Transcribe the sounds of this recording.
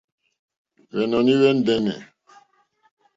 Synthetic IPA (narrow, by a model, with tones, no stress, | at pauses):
βɛ˨nɔ˨ni˦wɛ˦n˦dɛ˦nɛ̰˨